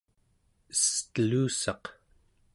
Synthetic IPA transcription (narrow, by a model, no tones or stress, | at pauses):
ə̥st̪əluːsɑq